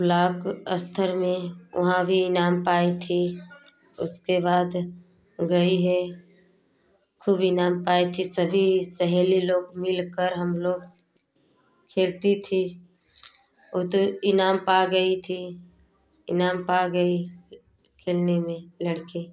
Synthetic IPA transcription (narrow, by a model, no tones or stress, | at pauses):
blaːɡəst̪ʰəɾmẽʔʊ̰ɦãbʱiɪnaːmpaːit̪ʰi | ʊ̰skebaːd̪ | ɡɐiɦɛ | kʰuːbɪnaːmpaːet̪ʰisəbʱisɛɦɛliloːɡmɪlkəɾɦəmloːɡ | kʰeːlt̪it̪ʰi | oːt̪oɪnaːmpaɡəit̪ʰi | ɪnaːmpaɡəi | kʰeːlnemẽləɽki